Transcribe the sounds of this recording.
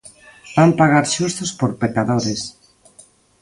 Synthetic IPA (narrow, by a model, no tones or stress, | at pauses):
bampaɣaɾʃust̪ospoɾpekaðoɾes